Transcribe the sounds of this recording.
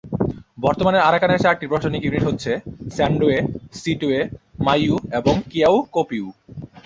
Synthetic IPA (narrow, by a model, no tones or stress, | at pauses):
bɔɾt̪omaneɾaɾakaneɾʃak̚ʈipɾoʃaʃonikjuniʈɦotːɕʰesɛɳɖoesiʈuemajueboŋkiawkopiu